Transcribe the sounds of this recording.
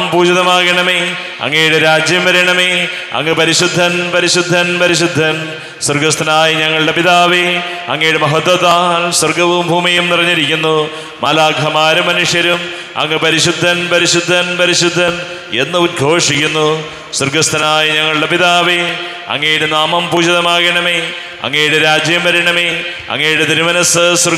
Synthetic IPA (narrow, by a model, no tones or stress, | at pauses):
mpuːd͡ʑɐðɐmaːɡɐɳɐmeː | ɐ̰ŋːejuɽeɾaːd͡ʑjɐmʋɐɾɐjɳɐme | ɐ̰ŋːɐpɐɾiɕud̪ʱːɐnpɐɾiɕud̪ʱːɐnpɐɾiɕud̪ʱːɐn | surɡɐst̪ʰɐnaːjiɲɐŋːɐɭɽe̞piðaːʋi | ɐ̰ŋːɐjuɽemɐɦɐt̪ːɐt̪aːlsɐrɡɐʋumbʱuːmijumnirɐɲːiɾikʲːunːu | mɐ̰laːɡʱɐmaːɾumɐnuʂjɐɾum | ɐ̰ŋːepɐɾiɕud̪ʱːɐnpɐɾiɕud̪ʱːɐnpɐɾiɕud̪ʱːɐn | e̞nːɨuɾɡʱo̞ːʂikʲːunːu | surɡɐst̪ʰɐnaːjiɲɐŋːɐɭɨɽe̞piðaːʋi | ɐ̰ŋːejuɽenaːmɐmpuːd͡ʑɐðɐmaːɡɐɳɐme | ɐ̰ŋːejuɽeɾaːd͡ʑjɐmʋɐɾiɳɐme | ɐ̰ŋːejuɽet̪iɾumɐnɐsɨsɐr